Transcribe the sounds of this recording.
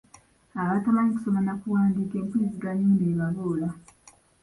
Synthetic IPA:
aβatalaɲiku̥somanakuwaːndiːkeːŋkwiːziɡaɲuːndieβaβoːla

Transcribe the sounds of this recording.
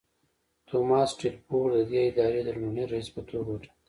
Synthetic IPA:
t̪omɑːsʈilpoɾd̪əd̪eɪd̪ɑɾed̪əluneɾaispət̪ʰoɾwoʈḁ

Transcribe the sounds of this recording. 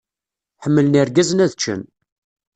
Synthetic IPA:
ħəmːələniɾɡæzənæðt͡ʃːə̰n

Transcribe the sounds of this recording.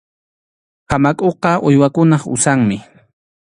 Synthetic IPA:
hamakʼoqɑʔʊjwakʊnɑχʊ̰saŋmɪ

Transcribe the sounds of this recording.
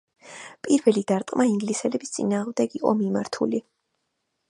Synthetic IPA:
pʼiɾvɛlid̪aɾt̪ʼqʼmaiŋɡlisɛlɛbist̪sʼḭnaːʁmd̪ɛɡiqʼɔ̰mima̰ɾt̪ʰuli

